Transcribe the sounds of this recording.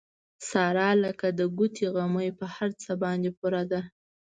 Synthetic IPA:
sɑɾɑləkad̪əɡut̪ʰeɣaməjpəhaɾt͡səbɑnd̪epuɾad̪a

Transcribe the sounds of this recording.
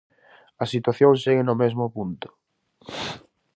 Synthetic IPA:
ɐsit̪waθjoŋseɣɪnʊmezmʊpunt̪ʊ̥

